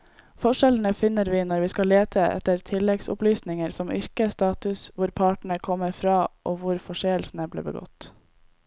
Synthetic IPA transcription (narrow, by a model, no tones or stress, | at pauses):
fɔʂɛln̩əfɪnəɾʋiːnɔɾʋiːskɑleːt̪ʰəʔɛ̰t̪əɾt̪ʰɪlɛɡsʊ̰plyːsnɪŋəɾsɔmʔʏɾkəst̪ɑːt̪ʉsʋʊɾpʰɑːʈɳ̩əkʰɔmːəɾfɾɑːʔoːʋʊɾfɔʂeːəlsn̩əblḭːbə̰ɡɔ̰t̪